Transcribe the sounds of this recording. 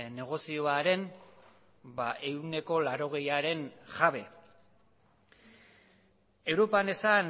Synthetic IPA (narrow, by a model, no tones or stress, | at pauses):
ne̞ɣ̞o̞sio̞aɾe̞n | baʔe̞wne̞ko̞laɾo̞ɣ̞e̞jaɾe̞nʝaβe̞ | e̞wɾo̞pane̞san